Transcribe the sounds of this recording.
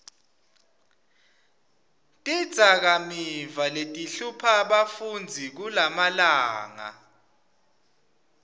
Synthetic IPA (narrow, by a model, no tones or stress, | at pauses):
tʼid̥z̥ʱak̬amivaletʼiɬupʰaɓafund͡zʱik̬ulamalaːŋa̰